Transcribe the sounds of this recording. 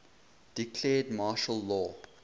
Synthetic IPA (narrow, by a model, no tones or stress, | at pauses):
d̥ikʰlɛːdmɑːʃəlːɔː